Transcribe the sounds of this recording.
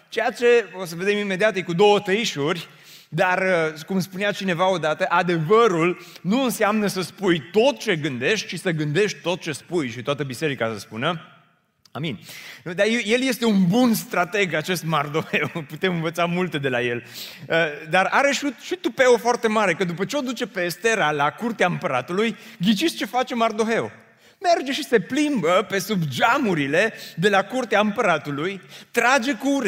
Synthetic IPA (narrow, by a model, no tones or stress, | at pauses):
t͡ʃe̞jat͡ʃe̞osəve̞d̪e̞mime̞d̪iat̪jekud̪o̞wət̪əiʃurʲ | d̪arəkumspuneat͡ʃine̞vao̞d̪at̪əʔad̪e̞vəɾulnuɨnseamnəsəspujt̪o̞t̪̚t͡ʃe̞ɡɨnd̪e̞ʃt̪̚ʲt͡ʃisəɡɨnd̪e̞ʃt̪̚ʲt̪o̞t̪̚t͡ʃe̞spujʃit̪oat̪əbise̞ɾikasəspunə | aminʲd̪ajeje̞lje̞st̪e̞unbunst̪ɾat̪e̞ɡat͡ʃe̞st̪mard̪ove̞wput̪e̞mɨnvət̪samult̪ed̪e̞laje̞ləd̪araɾe̞ʃuʃit̪upe̞ofoart̪e̞maɾe̞kəd̪upət͡ʃeo̞d̪ut͡ʃe̞pe̞st̪e̞ɾalakurt̪eaɨmpəɾat̪ulujɡʲit͡ʃiʃt͡ʃe̞fat͡ʃe̞mard̪o̞ɦe̞o | me̞rd͡ʒe̞ʃise̞plimbəpe̞subd͡ʒamuɾile̞d̪e̞lakurt̪eaɨmpəɾat̪ulujt̪ɾad͡ʒe̞kuuɾ